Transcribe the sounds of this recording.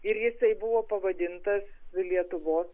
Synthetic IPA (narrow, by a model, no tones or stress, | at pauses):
ɪɾjɪsɐɪbʊʋoːpɐʋɐd̪ʲɪnt̪ɐsʋʲɪlʲiɛt̪ʊʋoːs